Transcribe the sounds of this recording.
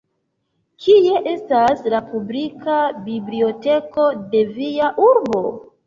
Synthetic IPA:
kʰie̞ʔe̞staslapublikabiblio̞te̞ko̞de̞viaʔuɾbo̞

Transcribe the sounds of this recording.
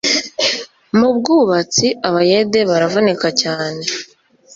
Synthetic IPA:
mubɡuːβat͡siʔaβaje̞de̞βaɾavonekacaːne̞

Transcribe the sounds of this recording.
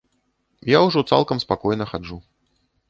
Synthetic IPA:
jawʐɔt̪sa̰lˠkɐmspakɔjn̪ɐxad͡ʐu

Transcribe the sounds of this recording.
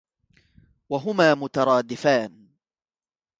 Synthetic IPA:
waɦʊmaːmʊt̪ɑɾˤɑːd̪ɪfaːn

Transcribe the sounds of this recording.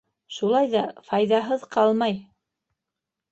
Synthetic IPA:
ʃulˠɑjðɑfɑjðɑɦɤðqʰɑlˠmɑj

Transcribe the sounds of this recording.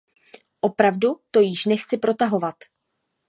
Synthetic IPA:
ʔo̞pɾavdut̪o̞jɪʃnɛxt͡sɪpɾo̞t̪aɦo̞vat̪

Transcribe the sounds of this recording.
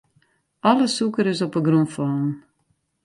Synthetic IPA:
ɑləsukəɾɪsɔpəɡrunfɔːn

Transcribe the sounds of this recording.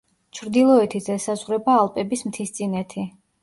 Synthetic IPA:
t͡ʃʰɾd̪ilˠɔɛt̪ʰizɛsazʁɾɛbaːlˠpʼɛbismt̪ʰist̪sʼinɛt̪ʰi

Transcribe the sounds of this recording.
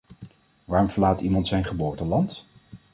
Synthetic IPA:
ʋaːɹmvəlaːtimɑntsɛjnχəbʊːɹtəlɑnt

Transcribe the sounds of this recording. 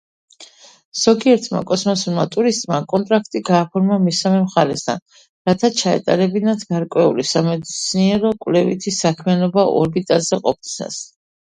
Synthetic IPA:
z̥ɔɡiɛɾt̪ʰma̰kʼɔsmɔsuɾmat̪ʼuɾist̪ʼmakʼɔnt̪ʼɾakʰt̪ʼiɡaːpʰɔɾmamisamɛmχaɾɛsd̪ʰa̰n | ɾat̪ʰat͡ʃʰaɛ̰t̪ʼaɾɛbinat̪ʰɡ̥aɾkʼwɛulisamɛd̪it̪sʰniɛɾɔkʼwvlɛvit̪ʰisakʰmianɔbaʔɔ̰ɾbit̪ʼalz̥ɛqʼɔp̚t̪sʰna̰s

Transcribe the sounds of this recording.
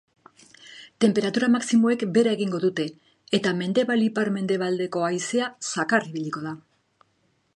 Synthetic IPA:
t̪e̞mpe̞ɾat̪uɾamaksimo̞e̞kbe̞ɾae̞ɣiŋɡo̞ðut̪e̞ː | t̪ame̞nd̪e̞βalipaɾme̞nd̪e̞β̞ald̪e̞ko̞ajseasakariβiʎiko̞ð̞a

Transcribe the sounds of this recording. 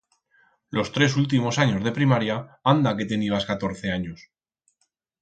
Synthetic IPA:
lʔo̞st̪ɾe̞s̬ult̪̬imo̞saɲo̞zð̞e̞pɾimaɾjaand̪ake̞t̪e̞niβ̞askat̪o̞ɾθe̞aɲo̞s

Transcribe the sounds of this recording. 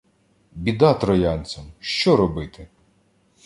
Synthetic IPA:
bʲid̪ɑt̪ɾɔjɑnʲt͡sʲɐmʃt͡ʃɔɾɔbɪt̪ɪ

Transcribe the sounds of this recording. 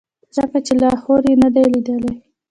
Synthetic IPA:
zəkat͡ʃelɑhoɾjenad̪ajlid̪əlaj

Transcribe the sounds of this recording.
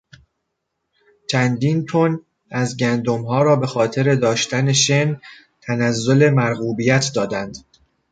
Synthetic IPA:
t͡ʃʰænd̪iːnt̪ʰon | æzɟænd̪omɦɒːɾɒːbe̞xɒːt̪ʰe̞ɾe̞d̪ɒːʃt̪æne̞ʃen | t̪ʰænæzːo̞le̞mæɾɣuːbijæt̪ʰd̪ɒːd̪ænd̪̥

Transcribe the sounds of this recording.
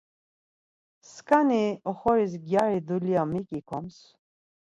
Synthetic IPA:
skʼaniɔχɔɾis̬ɡjaɾid̪ulijamikʼikʰɔms

